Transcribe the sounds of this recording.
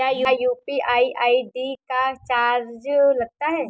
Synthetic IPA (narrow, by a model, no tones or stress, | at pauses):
ajujuːpiʔaːiʔaːiɖikat͡ʃaːɾd͡ʒlɐɡ̚t̪aɦɛː